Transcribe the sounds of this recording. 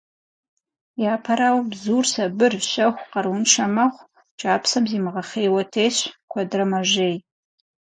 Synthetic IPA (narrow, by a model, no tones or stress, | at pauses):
jaːpʰɐɾaːwbzuːrsɐbɨrɕɐχʷqɐrunʃʰɐmɐʁʷ | t͡ʃʼaːpʰsɐmzimʁɐχeːwɐtʰeːɕkʷʰɐdrɐmɐʒeːj